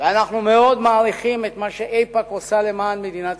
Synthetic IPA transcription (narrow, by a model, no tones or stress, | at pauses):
veanaχnumeo̞d̪maːʁiχimet̪maʃeʔejpakosale̞maːnmed̪inat̪